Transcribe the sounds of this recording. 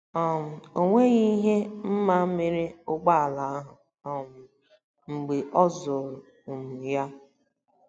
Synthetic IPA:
ɔ˨m̩˨o˨ŋʷe˦ɣi˦ɦe˦m̩˦ma˦me˦ɾe˦ʊ˦ɡ͡ba˦a˨la˨a˦ɦʊ˨ | ɔ˨m̩˨ | ŋ͡m̩˨ɡ͡be˨ʔɔ˦zʊ˨ɾʊ˨ | u˨mu˨ja˦

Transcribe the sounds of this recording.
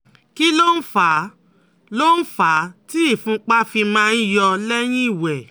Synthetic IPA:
ki˦lo˦n̩˦fa˨˦ | lo˦n̩˦fa˨˦ti˦i˦˨fũ˦k͡pa˦fi˧mãː˦˧n̩˦jɔ˧lɛ˦j̃ĩ˦i˦˨wɛ˨

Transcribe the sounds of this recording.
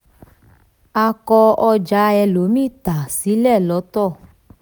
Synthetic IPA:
a˧kɔ˧ɔ˧d͡ʒa˨˧˦ɛ˧lo˨˦mĩ˦˨t̪a˨si˨˦lɛ˦˨lɔ˨˦t̪ɔ˦˨

